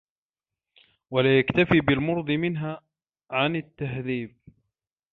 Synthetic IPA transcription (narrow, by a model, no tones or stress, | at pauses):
walaːjakt̪afiːbɪlmʊɾd̪ˤɨmɪnɦaː | ʕanɪt̪ːaɦðiːb̚